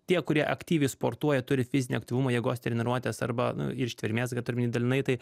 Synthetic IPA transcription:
t̪ʲiɛkʊɾʲiɛʔɐkt̪ʲiːʋʲɛɪspoːɾt̪uɔjɛt̪ʊɾʲɪfʲɪzʲɪnʲɪɐkt̪ʲiʋʊmoːjɛɡoːst̪ʲɾʲnʲɪɾuɔt̪ʲeːsɐ̰ɾbɐnʊ̰ɪɾʃʲt̪ʲʋʲɪɾʲmʲeːsɡɐt̪ʊɾʲɪmʲɪnʲid̪ɐlʲɪnɐɪt̪ɐɪ

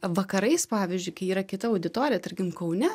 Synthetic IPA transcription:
ʋɐkɐɾɐɪspɑːʋʲizʲd͡ʒʲʊɪkɐɪiːɾɐkʲɪt̪ɐɐʊd̪ʲɪt̪oːɾʲɪjɛt̪ɐɾʲkʲɪmkɐʊnʲɛ

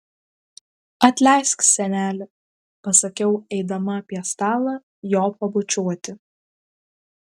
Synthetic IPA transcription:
ɐt̪ʲlʲɛˑɪsʲksʲɛnʲæːlʲɪ | pɐsɐkʲɛʊɛɪd̪ɐmɐɐpʲiɛst̪ɑːlˠɑ | joːpɐbʊt͡ʃʲuɔt̪ʲɪ

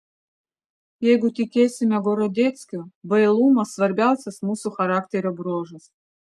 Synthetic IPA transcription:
eɡʊt̪ʲikʲesʲɪmʲaɡoɾɐd̪ʲet̪skʲʊbəelˠumɐsvɐrbʲalˠsʲɐsmusʊxɐɾaktʲeɾɐbɾoʐɨs

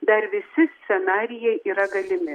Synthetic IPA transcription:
d̪ɐrʋʲɪsʲɪsʲt͡sʲɛnɑːɾʲɪjɛɪʔiːɾɐɡɐlʲɪmʲɪ

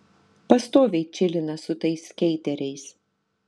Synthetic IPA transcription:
pɐst̪oːʋʲɛɪt͡ʃʲɪlʲɪnɐsʊt̪ɐɪskʲɛɪt̪ʲɛɾʲɛɪs

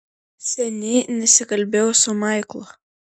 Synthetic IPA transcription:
sʲɛnʲiːnʲɛsʲɪkɐlʲbʲeːwsʊmɑɪklˠʊ

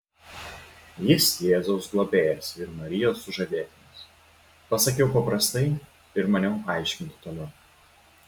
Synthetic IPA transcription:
jɪsjeːzoʊsɡlˠoːbʲeːjɛsɪɾmɐɾʲɪjoːsːʊʒɐd̪ʲeːt̪ʲɪnʲɪs | pɐsɐkʲɛʊpɐpɾɐst̪ɐɪ | ɪɾmɐnʲɛʊɑˑɪʃʲkʲɪnʲt̪ʲɪ̥t̪oːlʲɛʊ

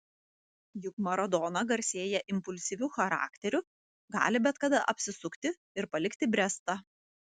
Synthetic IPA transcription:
jʊkmɐɾɐd̪ɔːnɐɡɐɾʲsʲeːjɛʔɪmpʊlʲsʲiʋʲuːxɐɾɑ̰ːkt̪ʲɛɾʲʊ | ɡɑ̰ːlʲɪbʲɛt̪kɐd̪ɐʔɐpʲsʲɪsʊkt̪ʲɪ | ɪɾpɐlʲɪkt̪ʲɪbʲɾʲɛst̪ɑ

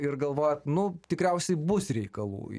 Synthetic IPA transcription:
ɪrɡɐlˠʋoːjɛt̪nʊt̪ʲɪkɾʲɛʊsʲɛɪbʊsrʲɛɪkɐlˠṵː

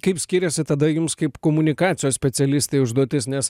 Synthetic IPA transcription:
kɐɪpsʲkʲiːɾʲɛsʲɪt̪ɐd̪ɐjʊmskɐɪpkoːmʊnʲɪkɑːt̪sʲɪjoːssʲpʲɛt̪sʲɛlʲɪsʲt̪ʲeɪʊʒd̪uɔt̪ʲɪsnʲɛs

